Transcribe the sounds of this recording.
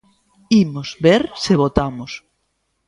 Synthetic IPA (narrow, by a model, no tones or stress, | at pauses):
imozβeɾseβot̪amos